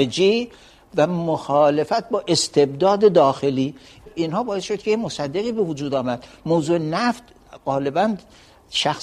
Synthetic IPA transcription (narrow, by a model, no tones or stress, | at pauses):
ed͡ʒiː | væmoxɒːle̞fæt̪̚bɒːʔe̞st̪ʰe̞bd̪ɒːd̪ed̪ɒːxe̞liː | inhɒːbɒːjesʃod̪̚kʰeemosæd̪ːeɣiːbe̞vud͡ʒuːd̪ɒːmæd̪̥moːwzuːʔenæft̪ | ɢɒːle̞bæn | ʃæxs